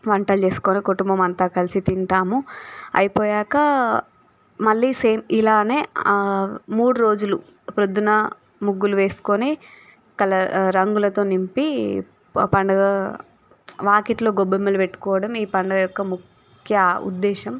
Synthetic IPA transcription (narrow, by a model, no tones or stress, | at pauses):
ʋɐɳʈɐlt͡ʃe̞ːsu̥koːnikuʈumbɐmɐnt̪aːkɐlisit̪iɳʈ̪aːmuɐ̰jipoːjaːkɐ | mɐɭːiːseːmilaːne̞ː | muːɽuɾo̞ːd͡ʒulṵ | pɾod̪unɐ | muɡːuluʋe̞ːsu̥koːneː | kɐlɐɾɐŋɡulɐt̪o̞ːnimpi | pɐɳɖɐɡɐ | ʋaːkiʈlo̞ːɡɔbɐmːɐlupeʈːu̥kɔːʋɐɽɐmiːpɐɳɖɐjɔkːɐmuk | kʰjɐṵd̪ːɛːʃɐm